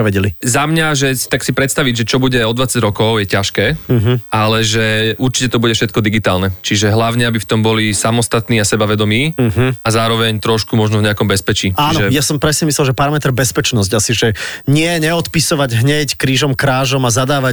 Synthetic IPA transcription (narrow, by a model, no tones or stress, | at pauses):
ɛʋɛɟɛlizamɲaʒɛ̥t̪aksipɾɛt̪st̪aʋiɟʒɛt͡ʃɔbuɟɛɔd̪ʋat͡saɟɾɔkɔʊjɛcaʃkɛːɦ̩alɛʒɛʔuɾt͡ʃicɛt̪ɔbuɟɛfʃɛt̪kɔd̪iɡit̪aːlnɛt͡ʃiʒɛɦlaʊɲɛabift̪ɔmbɔlisamɔst̪at̪niːasɛbaʋɛd̪ɔmiːɦ̩azaːɾɔʋɛɲt̪ɾɔʃkumɔʒnɔvɲɛakɔmbɛspɛt͡ʃiːaːnɔʒɛjasɔmpɾɛsɲɛmislɛlʒɛpaɾamɛt̪ɾbɛspɛt͡ʃnɔz̬ɟasiʒɛɲɪɛɲɛɔt̪pisɔʋaɟɦɲɛckɾiːʒɔmkɾaːʒɔmazad̪aːʋa